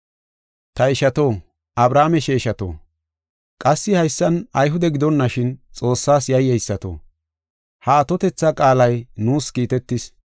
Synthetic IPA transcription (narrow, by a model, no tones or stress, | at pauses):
t̪ɐɪʃɐt̪o̞ː | ʔɐbɾaːmɛʃeːʃɐt̪o̰ː | kʼɐsːɪhɐjsːɐnɐjɦʊd̪ɛɡɪd̪ɔnːɐʃɪnt͡sʼo̞ːsːaːsjɐjːɛjsːɐt̪o̰ː | hɐːt̪ɔt̪ɛt͡sːɐkʼaːlɐjnuːskiːt̪ɛt̪ːɪs